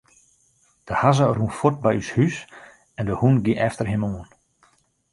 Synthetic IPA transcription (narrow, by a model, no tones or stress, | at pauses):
d̥əhazərunfot̚bɛjyshys | ɛndəhunɡiʔɛftərɦɪmoːən